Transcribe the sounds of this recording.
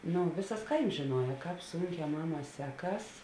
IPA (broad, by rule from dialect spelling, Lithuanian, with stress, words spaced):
ˈnʊ ˈʋʲɪsɐs ˈkɐɪms ʒʲɪˈnuɔjɛ ˈkɑːp ˈsʊŋʲˌkʲɛː ˈmɑːˌmɑː ˈsʲæːˌkɐs